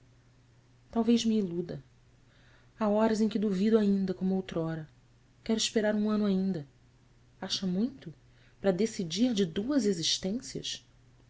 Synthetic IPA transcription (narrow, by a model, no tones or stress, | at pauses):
t̪awvejzmiːlud̪ɐ | aɔɾɐzẽj̃kɪd̪uvid̪ʊaĩnd̪ɐkõmʊowt̪ɾɔɾɐ | kɛɾʊiʃpeɾaɾũɐ̃nʊaĩnd̪ɐ | aʃɐmũj̃t̪ʊ | pɾɐd̪esid͡ʒiɾd͡ʒɪd̪uɐzeziʃt̪ẽsiɐ̰ʃ